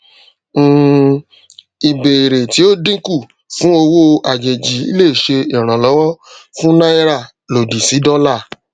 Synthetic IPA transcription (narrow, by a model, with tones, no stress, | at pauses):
i˨be˨ɾe˨ti˨˦o˦dĩ˦ku˦˨ | fũ˨˦o˧wo˦˧ʔa˨d͡ʒe˨d͡ʒi˨˦ḭ˦le˦˨ʃe˧i˨ɾ̃ã˨lɔ˨˦wɔ˦fũ˦nã˦i˦ɾa˦˨ | lo˨di˨si˨˦dɔ˦la˦˨